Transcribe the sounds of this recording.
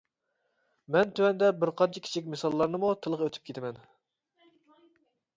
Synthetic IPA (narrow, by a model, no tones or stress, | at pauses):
mɛnt̪ʰywɛnd̪ɛbɪɾqʰɑnt͡ʃʰi̥kʲi̥t͡ʃʰikʲmesɑlˠːɑɾnɨmut̪ʰɨlˠəʁøt̪ʰy̥p̚kʲet̪ʰɪmɛn